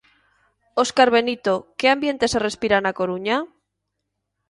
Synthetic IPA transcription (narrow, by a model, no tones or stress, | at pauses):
oskaɾβ̞e̞nit̪o̞keambje̞nt̪e̞sere̞spiɾanako̞ɾuɲa